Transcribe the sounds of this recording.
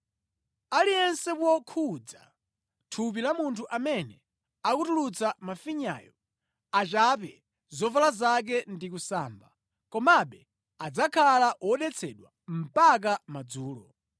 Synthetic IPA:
alijɛnsɛpwɔkʰud͡za̰ | tʰup̬ilamuntʰuʔamɛnɛ | akutulut͡samafiɲa̰ːjɔ | at͡ʃap̬ɛ | zɔvalazak̬ɛndik̬usaːmba | kɔmaɓɛ | ad͡zakʰalaʔwɔɗɛt͡sʰɛɗwa | m̩pak̬amad͡zuːlɔ

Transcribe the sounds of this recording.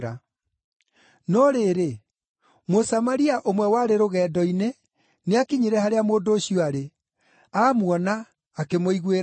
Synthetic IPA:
ɾa | nɔɾeːɾe | mosamaɾiaʔomwɛwaɾeɾoɣɛːdɔine | neakiɲiɾɛhaɾeamoːndoːɕiɔaɾe | amwɔnaː | kemoiɣweɾ

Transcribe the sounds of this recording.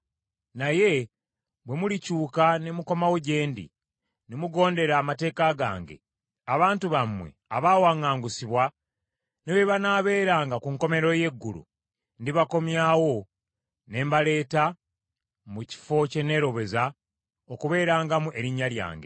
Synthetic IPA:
naje̞ | βwe̞mulicuːkanemuko̞mawo̞ɟe̞ːndḭ | nemuɡo̞ːnde̞ɾaːmate̞ːkaɡa̰ːŋɡe̞̰ | aβaːntuβamwe̞̰aβaːwaːŋaːŋɡusiβwa | neβeβanaːβe̞ːɾaːŋɡakuŋko̞me̞ɾo̞je̞ɡːṵlṵ | ndiβako̞mjawo̞ | ne̞ːmbale̞ːta | muci̥fo̞ce̞ne̞ːɾo̞βe̞za | okuβe̞ːɾaːŋɡamuʔe̞ɾiɲːalja̰ːŋɡe̞̰

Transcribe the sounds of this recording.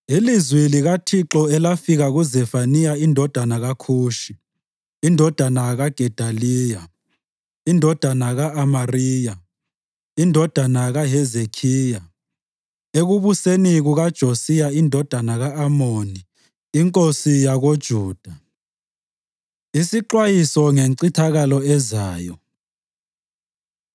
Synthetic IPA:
ilizwiliɣatʰiǁɔɛlafiɣaɣuzɛfanijaindʱɔd̥ʱanaɣakʰuːʃi | indʱɔd̥ʱanaɣaɡ̥ʱɛd̥ʱaliːja | indʱɔd̥ʱanaɣaʔamariːja | indʱɔd̥ʱanaɣaɦɛzekʰiːja | eɣuβuseniɣuɣad̥ʒ̥ʱosijaindʱɔd̥ʱanaɣaːmoniː | ŋkʼosijaɣod̥ʒ̥ʱuːd̥ʱa | isiǃwajisɔŋeŋǀitʰaɣalɔɛzaːjɔ

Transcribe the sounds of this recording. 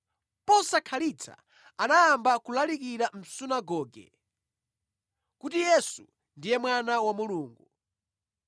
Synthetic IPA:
pɔsakʰalit͡sʰa̰ | anajambakulalikiɾam̩sunaɡɔːɡɛ̰ | kutijɛsu | ndijɛmwanawamuluːŋɡu

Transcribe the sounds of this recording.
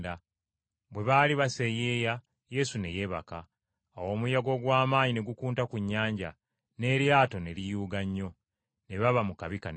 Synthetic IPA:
da | βwe̞βaːliβase̞jeːja | je̞sune̞je̞βa̰ka̰ː | wo̞ːmujaɡo̞ɡwaːmaːɲine̞ɡukuːntakuɲːaːɲɟa̰ | ne̞ɾjaːtone̞lijuːɡaɲːo̞ | ne̞βaβamukaβikan

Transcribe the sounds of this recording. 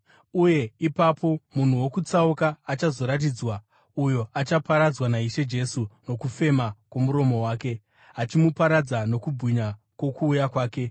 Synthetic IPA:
uje̞ipapʰo̞mun̤uwo̞kut͡saukaːt͡ʃazo̞ɾat̬id͡zwa | ujo̞at͡ʃapaɾad͡zwanaiʃe̞d͡ʒe̞suno̞kufe̞makwo̞muɾo̞mo̞waːke̞ | ɦat͡ʃimupaɾad͡zano̞kubʱiɲa | kwo̞kuːjakwaːke̞

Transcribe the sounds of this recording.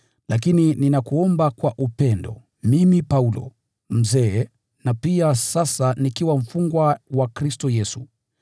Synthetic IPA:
lak̬inininakuɔmbakwaʔupɛndɔ̰ | mimipaulɔ̰ | m̩zɛː | napiasasanikiwam̩fuŋɡwawakɾistɔjɛsu

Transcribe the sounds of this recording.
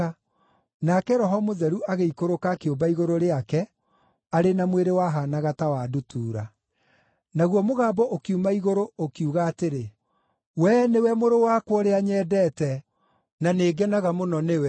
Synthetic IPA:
a | nakɛɾɔɦɔmoðɛɾuʔaɣeikoɾokakeobaiɣoɾoɾeakɛ | aɾenamweɾewaɦaːnaɣatawadutuːɾa | naɣwɔmoɣaːbɔʔokiumaiɣoɾookiuɣaːteɾe | wɛnewɛmoɾowakwɔɾeaɲɛːdɛːtɛ | naneːɡɛnaɣamonɔnewɛ

